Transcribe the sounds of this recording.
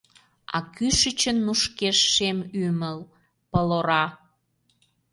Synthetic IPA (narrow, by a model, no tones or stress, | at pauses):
ɑ̰kyʃət͡ɕənːuʃkeʃːemyməl | pəloɾɑ